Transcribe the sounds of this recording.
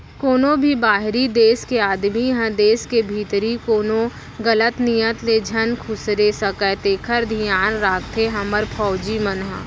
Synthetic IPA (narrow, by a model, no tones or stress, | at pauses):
koːnõbʱibaːɦɾid̪eːskeaːd̪miɦə̃d̪eːskebʱiːt̪ɾikoːnõ | ɡələt̪nijət̪led͡ʒʱənkʰʊsɾesəkɛt̪eːkʰəɾd̪ʱijaːnɾaːkt̪ʰeɦɐməɾpʰɔːd͡ʒimənɦa̰